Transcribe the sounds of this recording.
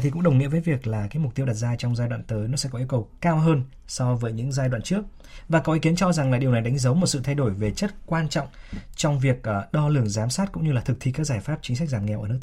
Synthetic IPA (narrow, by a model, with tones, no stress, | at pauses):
i˨kʊ̰˧˥ŋ͡mɗə˨˩wŋḭ˧˨vəː˨˦jvi˨˩ək̚laː˨˩kaː˨˦jmʊ˨˩t̪i˧wɗa˨˩zaː˧t͡ɕɔ˧wŋ͡mzaː˧jɗwa̰ː˧˨nt̪əː˨˦jnɔ˨˦sɛ̰˧˥kɔ˨˦ʔi˧əkə˨˩wkaː˧wɦəː˧n | sɔ˧vəː˨˦jɲɨ̰˧˥ŋzaː˧jɗwa̰ː˧˨t͡ɕɨ˦˥ək̚ | vaː˨˩kɔ˨˦ʔi˨˦ki˨˦ənt͡ɕɔ˧za˨˩ŋlaː˨˩ɗi˨˩wna˨˩jɗa˨˦jŋ̟zə˨˦wmo˨˩t̚sɨ̰˧˨t̪ʰa˧jɗo˧˩jve˨˩t͡ɕə˦˥t̚kwaː˧nt͡ɕɔ̰˧˨wŋ͡mt͡ɕɔ˧wŋ͡mvi˨˩ək̚ːɗɔ˧lɨ˨˩əŋzaː˨˦msaː˦˥t̚kʊ̰˧˥ŋ͡mɲɨ˧laː˨˩t̪ʰɨ˨˩k̚t̪ʰi˧kaː˦˥k̚zaː˧˩jfaː˦˥p̚t͡ɕï̟˨˦sa˦˥k̟̚zaː˨˩ŋɛ˨˩wʔəː˧˩n˦˥k̚